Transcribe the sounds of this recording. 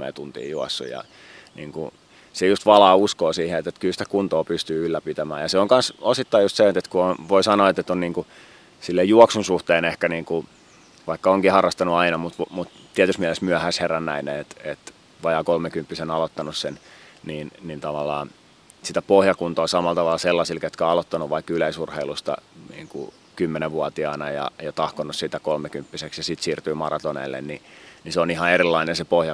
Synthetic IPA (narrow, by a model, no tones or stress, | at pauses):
ḛːt̪unt̪ḭːjuɑsːṵjɑ̰ | nḭːŋkṵ | sejust̪ʋɑlɑːuskoːsiːheet̪ːet̪kylsi̥t̪æ̥kunt̪oːpyst̪yːylːæpit̪æmæ̰ːjɑseoŋkɑnsosit̪ːɑijust̪seet̪et̪kuonʋoisɑnoɑːet̪ːet̪ːonniːŋku | silːejjuɔɑksunsuht̪eːnehkæniːŋku | ʋɑikːɑoŋkihɑrːɑst̪ɑnuɑinɑmut̪ʋmut̪t̪ːiæt̪ysmiælesmyæhæsherːænːæ̰ineet̪et̪ | ʋɑjɑːkolmekympːisenɑlot̪ːɑnussenniːnnint̪ɑʋɑlːɑː | sit̪æpohjɑkunt̪oːsɑmɑlt̪ɑʋɑlselːɑsilket̪kæɑlot̪ːɑnuʋʋɑikːyleisurheilust̪ɑ̰nḭːŋkṵ | kymːeneʋʋuɑt̪iɑnɑjɑ̰jɑt̪ɑhkonːussit̪ækolmekympːiseksjɑsit̪siːrt̪yːmɑrɑt̪onḛːlːḛnniniseonihɑerilːɑinensepohjɑ